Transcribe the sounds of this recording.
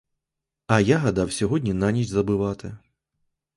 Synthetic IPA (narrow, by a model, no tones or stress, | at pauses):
ɐjaɦɐd̪ɑwsʲɔɦɔdʲnʲinanʲiʃʲzɐbɪʋɑt̪ɪ